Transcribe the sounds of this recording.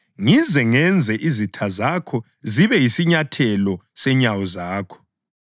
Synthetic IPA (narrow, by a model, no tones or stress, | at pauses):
ŋizɛŋɛnd͡zʱɛʔizitʰazakʰɔ | ziβɛjisiɲatʰɛlɔsɛɲawɔzaːkʰɔ̥